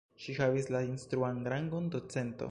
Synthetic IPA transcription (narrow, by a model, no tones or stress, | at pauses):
ʃihavislainst̪ɾuanɡɾaŋɡondo̞t͡se̞nto̞̰